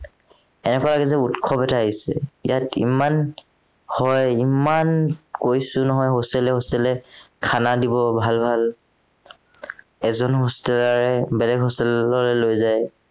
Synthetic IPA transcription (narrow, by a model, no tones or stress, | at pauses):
ɛnɛkɔalaɡɛzɛutkʰɔbɛtaːɦisɛ̰ijatḭman | hɔjimankojsʊnɔɦɔjɦostɛlɛɦostɛlɛkʰanadibɔbʱalbʱal | ɛzɔnɦostɛlaɹɛbɛlɛɡɦostɛlɔɹɛlojzaj